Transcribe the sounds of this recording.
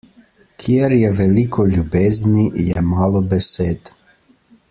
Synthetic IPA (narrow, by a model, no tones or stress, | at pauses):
kʰiɛɾjɛʋɛlikʰɔlʲubeːznijɛmaːlɔbɛseːt̪